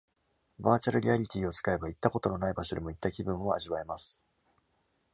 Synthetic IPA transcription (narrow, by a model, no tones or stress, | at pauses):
baːt͡ɕaɾɯ̟ɾʲiaɾʲit̪ʲiːo̞t͡sɨ̥kae̞bait̪ːako̞t̪o̞no̞naibaɕo̞d̪emo̞it̪ːakʲibɯ̟̃ɰ̃o̞aʑiβaemasɨ̥